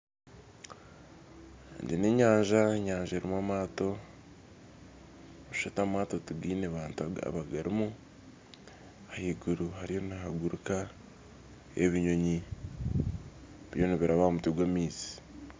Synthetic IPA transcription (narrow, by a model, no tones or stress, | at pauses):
ndineɲaːɲʒaeɲaːɲʒaɾimwamaːto̞ | ʃatamaːtotuɡiːneβaːntuaa̰βaɡaɾimu | hahiɡuɾuɦaɾijo̞naɦaɡuɾuka | ḛβiɲo̞ɲi | βjo̞niβiɾaβahomutiɡwamiːzi̥